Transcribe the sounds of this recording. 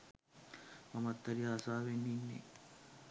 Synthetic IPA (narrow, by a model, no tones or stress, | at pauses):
mɐmɐt̪ːɐɾiaːsaːʋenːiːnːḛ